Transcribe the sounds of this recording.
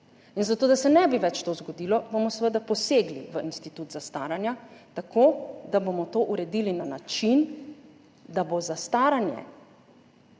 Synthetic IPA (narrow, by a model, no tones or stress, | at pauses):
inzat̪oːd̪asɛnɛbiʋɛt͡ʃt̪ozɡɔd̪ilɔbomɔsʋəd̪apɔseːɡliʋəinst̪it̪uːt̪zast̪aːɾanjat̪akoːd̪abomɔt̪oʔuɾɛd̪ilinanat͡ʃin | d̪abozast̪aːɾanjɛ̰